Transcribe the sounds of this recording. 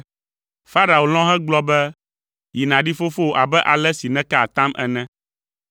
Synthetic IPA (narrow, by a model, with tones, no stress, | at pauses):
fa˦ɾa˨o˨l̃ɔ̃˦ɦɛ̃˦ɡ͡blɔ˦bɛ˦ | ji˨nã˨ɖi˦fo˦fo˦˨ʔa˨bɛ˦ʔa˨lɛ˦si˨nɛ̃˦ka˦˨t̪ã˦mʔɛ̰˨nɛ̃˦